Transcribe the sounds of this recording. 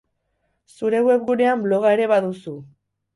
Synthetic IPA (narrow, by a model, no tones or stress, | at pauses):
suɾe̞ɣwe̞pɣune̞amblo̞ɣ̞aeɾe̞βaðusu